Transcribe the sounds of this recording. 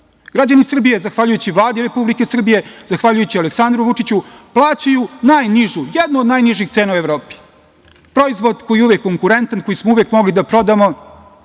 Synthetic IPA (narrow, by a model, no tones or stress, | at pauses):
ɡ̥ɾad͡ʑanisr̩bije̞zaxʋaʎujut͡ɕiʋlˠaːd̪iɾe̞publike̞sr̩bije̞zaxʋaʎujut͡ɕialeksand̪ɾuʋut͡ʂit͡ɕuplˠaːt͡ɕajunaːjniʒujed̪nuːd̪naːjniʒixt̪seːnaueʋɾo̞ːpi̥ | pɾo̞izʋo̞d̪ko̞jijeuʋekːo̞ŋkuɾe̞nt̪anko̞jismouʋjekmo̞ɡlid̪apɾo̞d̪amo